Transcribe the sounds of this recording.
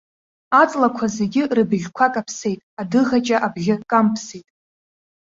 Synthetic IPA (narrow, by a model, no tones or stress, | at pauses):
at͡sʼlakʷʰazeɡʲɪrɨbʒʲkʷʰakʼapʰse̞jtʼadɨʁat͡ʃʼaʔabʒʲɪkʼampʰsejtʼ